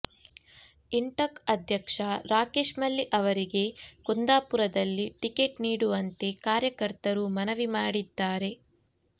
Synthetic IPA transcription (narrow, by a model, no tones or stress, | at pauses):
iɳʈɐkɐd̪ʱjɐkʂɐɾaːkeːʂmɐlːiʔɐʋɐɾiɡe̞kund̪aːpuɾɐd̪ɐlːiʈikeʈniːɽuʋɐnt̪e̞kaːɾjɐkɐɾt̪ɐɾumɐnɐʋimaːɽid̪ːaːɾe̞